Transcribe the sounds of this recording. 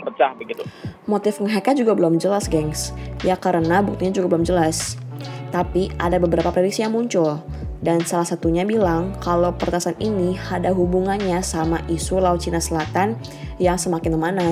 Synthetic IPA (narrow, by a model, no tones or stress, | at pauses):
pət͡ʃahbəɡit̪umot̪ɪfəŋɦakad͡ʒuɡabəlɔmd͡ʒəlasɡɛŋsjakaɾənabuk̚t̪uɲad͡ʒuɡabəlɔmd͡ʒəlast̪apiʔadabəbəɾapapɾɛdik̚sijaŋmuɲt͡ʃʊl | dansalahsat̪uɲabilaŋkalowpəɾt̪asaninihadaɦubuŋanɲasamaʔisulaut̪̚t͡ʃinasəlat̪an | jaŋsəmakɪnəmana